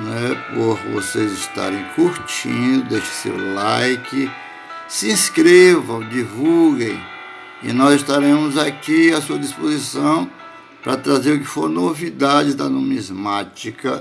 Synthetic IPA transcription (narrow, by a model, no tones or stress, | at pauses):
nɛpoɾvo̰sezɪst̪a̰ɾẽj̃kuɾt͡ʃḭ̃d̪ʊd̪eʃɪ̥sḛwlajkɪ | sɪĩskɾevɐ̃w̃d͡ʒivulɡẽj̃ | ɪ̰nɔzɪʃt̪aɾẽmʊzakiasuɐd̪ispozisɐ̃w̃ | pɾɐt̪ɾazeɾʊkɪ̥foɾnovid̪ad͡ʒɪd̪ɐnõmizmat͡ʃikɐ